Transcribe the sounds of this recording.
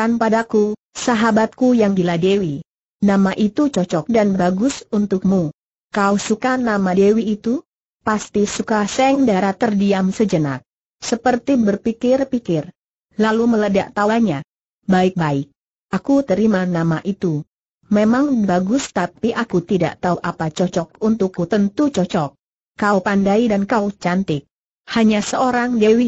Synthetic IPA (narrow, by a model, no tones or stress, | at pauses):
anpadaku | saɦabat̪̚kujaŋɡiladewi | namaʔit̪ut͡ʃɔt͡ʃɔk̚danbaɡʊsunt̪ʊk̚mu | kawsukanamadewiːt̪u | past̪isukasɛŋdaɾat̪ərdiamsəd͡ʒəna̰k̚ | səpərt̪ibərpikɪrpikɪr | lalumələdaʔt̪awaɲa | baɪk̚baɪk̚ | akut̪əɾimanamaʔit̪u | memaŋbaɡʊst̪apiʔakut̪ida̰ʔt̪auʔapat͡ʃɔt͡ʃɔk̚unt̪ʊkːut̪ənt̪ut͡ʃɔt͡ʃɔkː | aupandaidankaut͡ʃant̪ɪk̚ | haɲasəoɾaŋdewi